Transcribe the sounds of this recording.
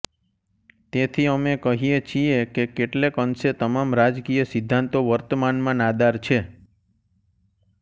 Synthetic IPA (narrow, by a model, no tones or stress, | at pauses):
t̪et̪ʰiəmekəɦijet͡ʃʰiekekeʈlekənset̪əmamɾad͡ʒkijəsɪd̪ʱːãnt̪oʋəɾt̪əmanmãnad̪aɾt͡ʃʰe